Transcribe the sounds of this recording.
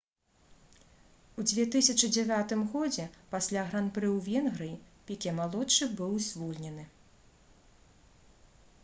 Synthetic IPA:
ud͡zʲvʲɛt̪ɨsʲɐt͡ʂɨd͡zʲɛvʲat̪ɨmɣɔd͡zʲɛpasʲlʲaɣɾanpɾɨwvʲɛnɣɾɨjipʲikʲɛmalˠɔt͡ʂːɨbɨwzʲvɔlʲnʲɛnɨ

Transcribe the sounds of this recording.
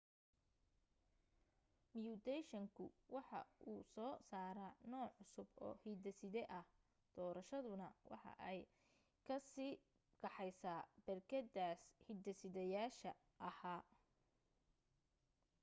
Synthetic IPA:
mjud̪ɛjʃɐŋkʰʊwɑħɑ̰ʔuːsɔːsaːɾanɔːʕʊsʊbɔ̰ːhid̪ɐsɪðɛʔɐh | d̪̥ɔːɾɐʃɐðʊnɐwʔɑ̰ħɑ̰ʔɛj | kʰɐsiː | kɑħɛjsaːbɐrkʰɐd̪aːshid̪ɐsɪðɛjaːʃɐ | ʔɐhaː

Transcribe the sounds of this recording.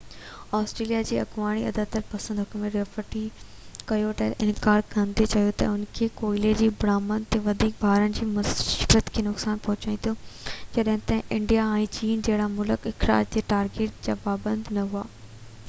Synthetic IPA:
aːsʈɾeːlijad͡ʑiːɐɡʋaːɽ̃iɐd̪aːt̪ɐɾpɐsə̃nd̪ɦʊkmẽɾefəʈi | kɐjot̪ɐʔɪ̃nɡaːɾkʰɐ̃nd̪et͡ɕɐɦjot̪ɐ̰ʊnkʰekoːɪled͡ʑiːbɽaːmənt̪eʋɐd̪ʱiːk̚bʱaːɾənɪ̆d͡ʑiːmɐkɾət̪kʰeːnʊksaːnpɐɦʊt͡ɕaːĩnt̪ʰod͡ʑɐɗɦɪ̃nt̪ɐɦʔɪ̃ɳɖijaɛ̃ːt͡ɕiːnd͡ʑɐɦɪɽamʊləkɪxɾa̰ːd͡ʑd͡ʑeːʈaːɾɡeːʈ̚d͡ʑa̰ːpaːbə̃nd̪nɐɦuaː

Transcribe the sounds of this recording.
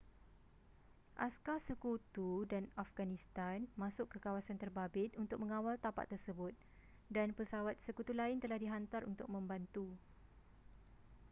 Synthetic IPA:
ʔaskasəkut̪udanafɡanĩst̪anmãsʊʔkːəkawasant̪ərbabɪt̪̚unt̪ʊk̚mə̃ŋãwalt̪apa̰t̪ːərsəbʊt̪̚ | danpəsawat̪̚səkut̪ulaɪnt̪əlahdiɦant̪arṵnt̪ʊk̚mə̃mbant̪u

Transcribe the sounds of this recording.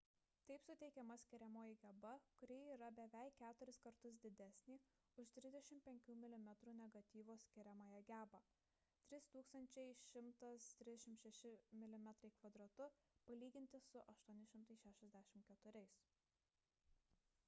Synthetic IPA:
t̪ɐɪpsʊt̪ʲɛɪkʲɛmɐsʲkʲɪɾʲɛmoːjɪɡʲɛbɐkʊɾʲiːiːɾɐbʲɛʋʲɛɪkʲæːt̪ʊɾʲɪskɐɾt̪ʊs̬d̪ʲɪd̪ʲɛsʲnʲiː | ʊʃt̪ʲɾʲɪzd̪ʲɛʃʲɪmʲpʲɛŋʲkʲuːmʲɪlʲɪmʲɛt̪ɾuːnʲɛɡɐt̪ʲiːʋoːsʲkʲɪɾʲɛmɐːjɛɡʲæːbɑ | t̪ʲɾʲɪst̪uːkst̪ɐnʲt͡ʃʲɛɪʃʲɪmt̪ɐst̪ʲɾʲɪzdʲɛʃʲɪmt̪ʃʲɛʃʲɪmʲɪlʲɪmʲɛt̪ɾɐɪkʋɐd̪ɾot̪ʊ | pɐlʲiːɡʲɪnʲt̪ʲɪsʊʔɐʃt̪uɔnʲɪʃʲɪmt̪ɐɪʃʲæːʃʲɛzʲd̪ʲæːʃʲɪmkʲɛt̪ʊɾʲɛɪs

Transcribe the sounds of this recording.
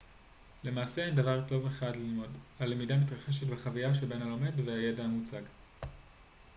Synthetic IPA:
le̞maːseendavaʁto̞ve̞χadlilmo̞dale̞midamitʁaχe̞ʃ̬etbeχavijaʃ̬ebe̞nhalome̞dveajedaːmut͡saɡ

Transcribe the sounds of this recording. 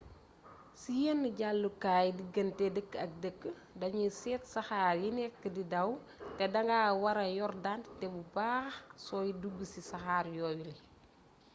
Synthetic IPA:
sijɛnːɟalːukaːjdiɡɐntɛdəkːɐk̚dəkːə | dɐɲusɛːtsɐxaːɾjinɛkːədidɐw | tɛdɐŋɡaːwɐɾɐjɔrdantɛbubaːxsɔːjiduɡːəsisɐxaːɾjɔːjuli

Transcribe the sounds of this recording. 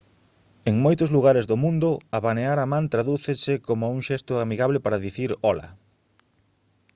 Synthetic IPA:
eŋmojt̪ʊzluɣaɾɪzðʊmũnd̪ʊaβaneaɾamãnt̪ɾaðuθesɪkomʊuŋʃɛst̪ʊamiɣaβlɪpaɾaðiθiɾɔlɐ̰

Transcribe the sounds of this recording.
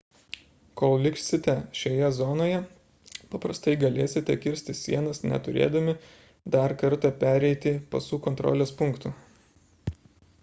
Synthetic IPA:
koːlˠlʲɪkʃsʲɪt̪ʲɛʃʲoːjɛzɔnoːjɛ | pɐpɾɐst̪ɐɪɡɐlʲeːsʲɪt̪ʲɛkʲɪɾʲsʲt̪ʲɪsʲḭɛnɐsnʲɛ̰t̪ʊɾʲḛːd̪ɐmʲɪ | d̪ɐɾkɐɾt̪ɐpʲæːɾʲɛɪt̪ʲɪpɐsuːkɔnt̪ɾɔ̰ːlʲeːspʊŋkt̪uː

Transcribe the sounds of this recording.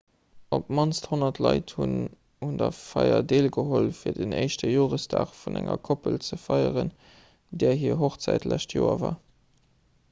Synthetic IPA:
ʔop̚mɑnsthonɐtʰlɑɪthun | hundɐfɑɪɐdeːlɡəholfiːɐdənəɪʃtəjoːʁəstaːχfunæŋɐkʰopəlt͡səfɑɪəʁən | dɛːɐɦiːɐɦoχt͡sæɪtlæʃtʰjoːɐvaː

